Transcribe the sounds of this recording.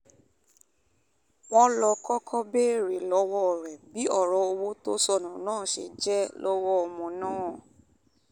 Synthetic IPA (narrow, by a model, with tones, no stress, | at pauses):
w̃ɔ̃˦lɔ˧kɔ˦kʰɔ˦be˦˨ɾe˨lɔ˨˦wɔ˦˨ɾɛ˨bi˨˦ɔ˦˨ɾɔ˨˦o˧wo˦to˦sɔ˦˨nũ˨nãː˦˨ʃḛ˧˨d͡ʒɛ˦lɔ˦wɔ˦ɔ˨mɔ̃˨˧nãː˦˨